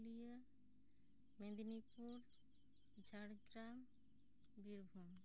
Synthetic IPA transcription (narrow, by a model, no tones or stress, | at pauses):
lija | med̪inipuɾ | d͡ʑaɽɡɾam | biɾbʱum